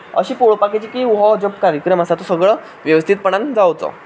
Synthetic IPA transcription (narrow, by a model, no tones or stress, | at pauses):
ə̰ɕiːpoɭpaket͡ɕiːkiːuɦɔd͡ʑobkaɾjəkɾəməsat̪osəɡɭə | ʋjəʋəst̪ʰit̪̚pəɳand͡zawt͡sɔ̰